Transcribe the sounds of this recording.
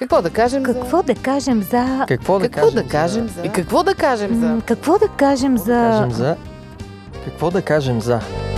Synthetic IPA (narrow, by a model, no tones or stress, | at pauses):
kɐkvɔd̪ɐkaʒɛmkɐkvɔd̪ɐkaʒɛmzɐkɐkvɔd̪kɔʒd̪ɐkaʒɛmikɐkvɔd̪ɐkaʒɛmkɐkvɔd̪ɐkaʒɛmzɐmzɐ | kɐkvɔd̪ɐkaʒɛmzɐ